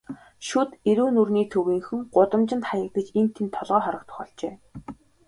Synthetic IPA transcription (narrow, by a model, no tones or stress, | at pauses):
ʃut̪eɾuːnurniːt̪ʰɵwiːŋxɵ̆ŋɢʊt̪ə̆mt͡ɕɪ̆nt̪χajə̆k̚ɡĕt͡ɕent̪ʰent̪ʰːɔɮʁœːχɔɾə̆k̚t̪ʰʊ̥xɔɮt͡ɕeː